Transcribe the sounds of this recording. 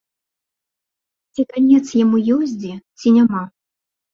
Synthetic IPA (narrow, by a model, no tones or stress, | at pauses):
t͡sʲikanʲɛt̪sjamujɔzʲd͡zʲit͡sʲinʲama